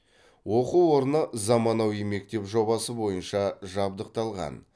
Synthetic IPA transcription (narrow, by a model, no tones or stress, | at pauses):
wo̞quwwo̞ɾənəzɑmɑnɑwijme̞k̚t̪e̞pʒo̞bɑsəbo̞jənʃɑʒɑb̚d̪əq̚t̪ɑlˠʁɑ̰n